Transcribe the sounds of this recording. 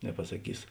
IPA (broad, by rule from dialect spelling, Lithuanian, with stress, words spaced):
nʲɛpɐsɐˈkʲiːs